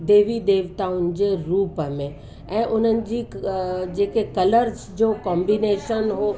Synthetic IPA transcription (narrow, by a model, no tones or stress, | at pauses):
d̪eːʋid̪eːʋt̪aʊnɪ̆d͡ʑeɾuːpmẽ | ɛ̃ːʔʊnənɪ̆d͡ʑid͡ʒeːkekɐləɾsd͡ʒoːkɔ̃ːmbineːʃənɦo